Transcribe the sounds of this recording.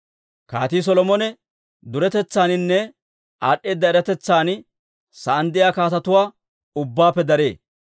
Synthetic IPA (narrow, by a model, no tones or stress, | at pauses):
kaːt̪iːs̬ɔlɔmɔnɛ | d̪ʊɾɛt̪ɛt͡sːaːnɪnːɛ | aːɗːe̞ːd̪ːɐɛɾɐt̪ɛt͡sːaːn | sɐɐnd̪ɪjaːkaːt̪ɐt̪ʊwaː | ʊbːaːpːɛd̪ɐɾe̞ː